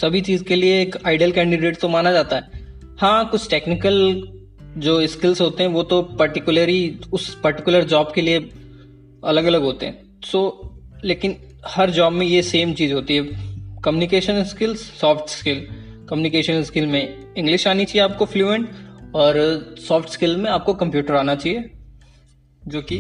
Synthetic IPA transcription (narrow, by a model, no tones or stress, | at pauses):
sɐbʱit͡ʃiːzkelieːkaːɪɖəlkɛ̃ːɳɖɪɖeːʈt̪omaːnad͡ʒaːt̪aɦɛː | hãːkʊt͡ʃʰʈeːknɪkəl | d͡ʒoːɪskɪlzɦoːt̪eɦɛ̃ʋoːt̪opɐɾʈɪkjʊləɾiʊspɐɾʈɪkʊləɾd͡ʒaːb̚kelie | ɐləɡɐləɡɦoːt̪eɦɛ̰̃ | soːleːkɪn | hɐɾd͡ʒaːbmẽjeseːmt͡ʃiːzɦoːt̪iɦɛkɐmjuːnɪkeːʃənskɪlzsɔːfʈskɪl | kɐmjuːnɪkeːʃənskɪlmẽ | ɪ̃ŋɡlɪʃaːnit͡ʃaɦieaːp̚kofluːɛ̃ɳʈɔːɾsɔːfʈskɪlmẽaːp̚kokɐ̃mpjuːʈəɾaːnat͡ʃaːɦieː | d͡ʒoːki